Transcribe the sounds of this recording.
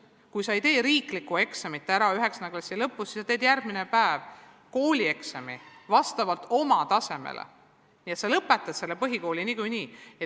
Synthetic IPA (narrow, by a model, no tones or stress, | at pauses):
kujsɑejt̪e̞ːɾiːklikːue̞ksemit̪ːˑæɾɑyɦe̞ksɑneklɑsʲːilɤpːˑussi̥sːɑt̪eːd̪̥jærɡ̥̚minepæev | ko̞ːlʲie̞ksemivɑst̪ɑvɑlt̪o̞mɑt̪ɑse̞mḛlḛ | niːet̪selɤpːˑe̞t̪ːˑɑsse̞lːepɤɦiko̞ːlʲiniːkujniːe